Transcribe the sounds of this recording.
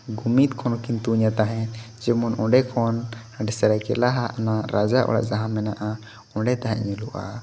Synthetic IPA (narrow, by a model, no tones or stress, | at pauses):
ɡumit̪kʰɔnɔkint̪uɲat̪aɦɛ̃ | d͡ʒɛmɔnɔ̃ɖɛkʰɔn | aɖɛsɛɾakɛ̰laɦaʔanaɾad͡ʒaʔɔ̰ɽa̰ʔd͡ʒaɦãmːɛnaʔa | ɔ̃ɖɛt̪aɦɛɲɛluʔa̰